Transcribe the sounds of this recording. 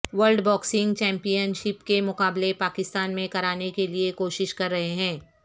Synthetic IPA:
ʋəɾlɖbɔːksɪ̃ŋɡt͡ʃɛ̃ːmpijənʃɪpkemʊqaːblepaːkɪst̪aːnmẽkɐɾaːnekeliekoːʃɪʃkɐɾːɐɦeɦɛ̃ː

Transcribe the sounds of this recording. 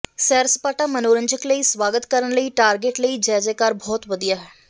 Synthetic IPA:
sɛːɾspaːʈaːmənoːɾəɲd͡ʒəkləiːsʋaːɡət̪kəɾəɳləiːʈaːɾɡeːʈləiːd͡ʒɛːd͡ʒeːkaːɾbʱɔːt̪ʋəd̪ijaːɦɛː

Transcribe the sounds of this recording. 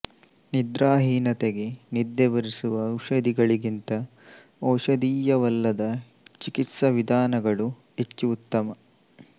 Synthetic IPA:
nid̪ɾaːɦiːnɐt̪eɡe̞nid̪jɐʋɐɾisuʋɐɐwʂɐd̪iɡɐɭiɡint̪ɐ | ɐwʂɐd̪iːjɐʋɐlːɐd̪ɐ | t͡ʃikit̪sɐʋid̪ʱaːnɐɡɐɭu | ɦet͡ʃːuut̪ːɐmɐ

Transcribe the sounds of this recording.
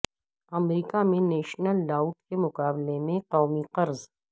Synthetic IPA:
ɐmɾiːkamẽneːʃnəlːaːʊʈkemʊqaːblemẽqɔːmiqɐɾz

